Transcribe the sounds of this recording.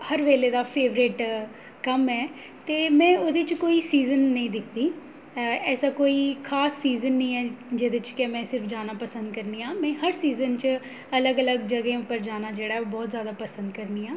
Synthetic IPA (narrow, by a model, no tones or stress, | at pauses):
həɾʋeːleːd̪aːpʰeːʋɾɪʈ | kəmɛː | t̪eːmɛ̃ːoːd̪et͡ʃkoːiːsiːzənːəĩːd̪ɪkʰd̪iː | ɛːsaːkoːiːkʰaːsːiːzənːəĩːɛːd͡ʒeːd̪ɪt͡ʃkɛmɛ̃ːsɪɾfʰd͡ʒaːnaːpəsə̃nd̪kəɾniːãːmɛ̃ːhəɾsiːzənt͡ʃ | ələɡələɡd͡ʒəɡẽːʊpːəɾd͡ʒaːnaːd͡ʒeːɽaːɛoːbɔːt̪zjaːd̪aːpəsə̃nd̪kəɾniːãː